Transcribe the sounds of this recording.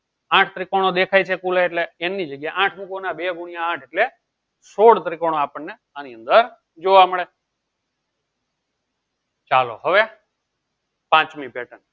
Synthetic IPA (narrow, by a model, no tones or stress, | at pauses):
ãʈʰt̪ɾikoɽ̃od̪ekʰajt͡ʃʰekuleeːʈleːnːid͡ʒəɡjajʔãʈʰmukonabeɡuɳ̃ijaãʈʰeʈle | soɽt̪ɾikoɽ̃oapəɳːe | aniənd̪əɾ | d͡ʒoʋaməɭe | t͡ʃalo̰ɦəʋe | pãt͡ʃmipeʈən